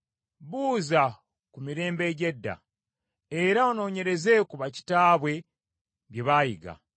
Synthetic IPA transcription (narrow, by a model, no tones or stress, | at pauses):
βuːza | kumiɾe̞ːmbe̞ɟedːa̰ | eɾaono̞ːɲe̞ɾe̞ze̞kuβaci̥taːβwe̞ | βjeβaːjiɡa̰